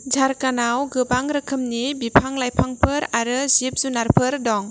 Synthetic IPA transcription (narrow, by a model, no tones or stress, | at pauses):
d͡ʒaɾkanawɡɯbaŋɾɯkʰɯmnibipʰaŋlajpʰaŋpʰɯɾaɾɯzip̚zunaɾpʰɯɾdɔŋ